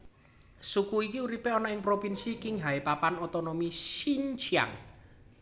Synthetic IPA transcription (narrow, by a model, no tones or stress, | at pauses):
sukuikiuɾipeɔnɔɪŋpɾopinsikɪŋɦaipapanot̪onomisint͡ʃia̰ŋ